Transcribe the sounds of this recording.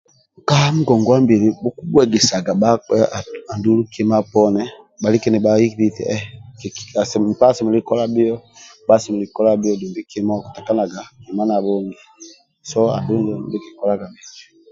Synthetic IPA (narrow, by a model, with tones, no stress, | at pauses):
ŋ˨ka˦m̩˦ɡɔ˨ŋɡɔ˨wa˦mbi˨ɾi˨bu˦ku˦bwɛ˨ɡɛ˨sa˨ɡa˨ba˦ɛ˦a˨a˨ndu˦lu˦ki˦ma˦pɔ˦nɛ˦ | ba˨li˦ki˦ni˨ba˦i˦ki˦ɾi˦tɛ̰˨ɛ˦ka˨spa˦˨sɛ˨mu˨li˦kɔ˦la˦bi˦ɔ˦ba˦˨si˨mu˨li˨kɔ˦la˦bi˦jɔ˦du˨bi˦ki˦mɔ˦˨ku̥˨ta˨ka˦na˨ɡa˨ki˨ma˦na˨βɔ˦ŋɡi˨ | sɔ˦a̰˨ndu˦ŋɡɔ˦bi˦ki˨kɔ˦la˦ɡa˨mi˨d͡ʒi̥˨